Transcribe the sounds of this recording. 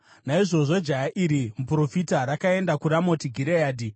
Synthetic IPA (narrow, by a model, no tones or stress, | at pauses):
naiʐo̞ʐo̞d͡ʒajaʔiɾimupuro̞fitaɾakae̞ndakuɾamo̞tiɡʱiɾejaːdi